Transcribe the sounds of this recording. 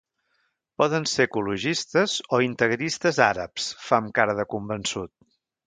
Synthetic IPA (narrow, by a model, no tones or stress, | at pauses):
pɔðənsekuluʒist̪əzoint̪əɣɾist̪əzaɾəpsfamkaɾəðəkumbənsut̪̚